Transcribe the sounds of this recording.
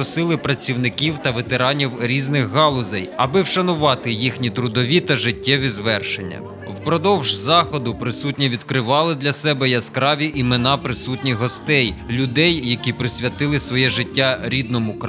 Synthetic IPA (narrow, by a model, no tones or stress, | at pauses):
ɔsɪlˠɪpɾɐt͡sʲiwnɪkʲiwt̪ɐʋet̪eɾɑnʲiwɾʲiznɪxɦɑlˠʊzɛjɐbɪwʃɐnʊʋɑt̪ɪjixnʲit̪ɾʊd̪ɔʋʲit̪ɐʒɪtʲːɛʋʲizʋɛrʃenʲːɐ̰ | wpɾɔd̪ɔwʒzɑxɔd̪ʊpɾɪsutʲnʲiʋʲid̪kɾɪʋɑlˠɪd̪lʲɐsɛbɛjɐskɾɑʋʲiʔimenɑpɾɪsutʲnʲixɦɔst̪ɛjlʲʊd̪ɛjːɐkʲipɾɪsʲʋʲjɐt̪ɪlˠɪsʋɔjɛʒɪtʲːaɾʲid̪̚nɔmʊk